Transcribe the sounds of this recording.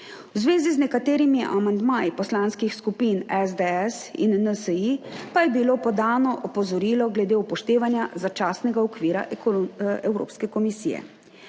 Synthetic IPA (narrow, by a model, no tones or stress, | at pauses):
wzʋeːziznɛkat̪eːɾimiʔa̰mand̪maːjipɔslaːnskixskupinɛzd̪eɛsḭnːəsəipajɛbiloːpɔd̪aːnɔʔɔpɔzɔɾiːlɔɡlɛd̪eːupɔʃt̪eːʋanjazat͡ʃaːsnɛɡaɔkʋiːɾa̰ʔ | ɛwɾo̰ːpskɛkɔmisḭːjɛ̰